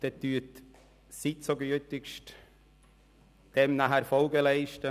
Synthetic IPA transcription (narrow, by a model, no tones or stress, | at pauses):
d̪̥ɛt̪yət | sit͡soɡyətɪkʃt | d̥ɛmnaɦæɾfɔlɡəlɛɪʃtə